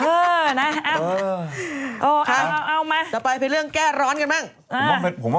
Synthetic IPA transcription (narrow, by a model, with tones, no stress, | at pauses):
ʔɤː˧na˦˥aː˧˩˧ | ʔoː˧˩kʰa˧˥˩a˧˩ʔa˧˩wmaː˧˩˨t͡ɕa˨˩pa˧jpʰe˧nɾɯ˥˩əŋkɛː˥˩ɾɔː˦˥nka˧nmaː˥˩ŋ | ʔaː˦˧ɔ˥˩pe˧pʰo˩˦m˧